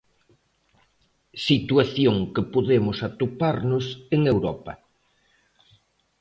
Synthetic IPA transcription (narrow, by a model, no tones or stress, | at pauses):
sit̪waθjoŋkɪpoðemʊsat̪upaɾnʊseŋewɾɔpɐ̰